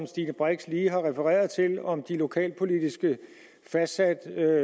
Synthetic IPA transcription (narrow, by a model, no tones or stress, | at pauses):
msd̥ḭːnəb̥ʁaɡ̥sliːɦɑ̈ʁɛfəʁɛ̰ːɐðˠt͡sʰe̝lɒ̽md̥ilo̝kʰɛ̰ːlpʰo̝lid̥isɡ̥ə | fæ̥æd̥